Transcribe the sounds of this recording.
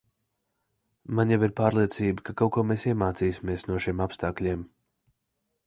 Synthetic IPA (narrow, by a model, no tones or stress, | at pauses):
manjaviɾpaːɾlˠiɛt̪siːbəkakawkuɔmeːsiɛmaːt̪siːsʲimiɛsnuɔʃimapst̪aːklʲiɛm